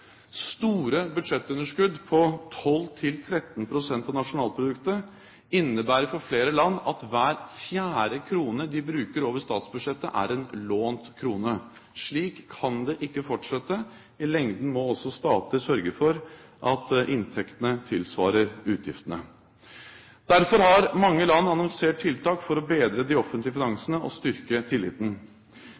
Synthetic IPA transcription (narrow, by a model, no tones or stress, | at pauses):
st̪uːɾəbʉd̪ʂɛt̪ːʉnːəʂkʉd̪ːpʰɔt̪ʰɔlːt̪ʰɪlt̪ʰɾɛt̪n̩pʰɾʊsɛnt̪ɑnɑʂʊnɑːlpʰɾʊd̪ʉkt̪ə | ɪnːəbæːɾəɾfɔɾfleːɾəlɑnːɑt̪ʋæːɾfjæːɾəkʰɾuːnəd̪ɪbɾʉːkəɾoːʋəʂt̪ɑːt̪sbʉd̪ʂɛt̪ːə̰ʔæ̰ɾɛnloːnt̪kʰɾuːnə | ʂɭiːkʰːɑnd̪ɛʔɪkːəfɔʈʂɛt̪ːə | ɪlɛŋd̪n̩mɔɔsːɔst̪ɑːt̪əsœɾɡəfɔɾʔɑt̪ʔɪnt̪ʰɛkt̪ənət̪ʰɪlsʋɑːɾəɾʉːt̪ʰjɪ̰ft̪ənə | d̪̥æɾfɔɾhɑɾmɑŋːəlɑnːɑnɑŋseːʈ̚ʈʰːɪlt̪ʰɑːkfɔɾɔbeːd̪ɾəd̪ɪɔfənt̪lɪəfɪnɑŋsənəʔɔ̰st̪ʏɾkət̪ʰɪlːɪ̰ːt̪n̩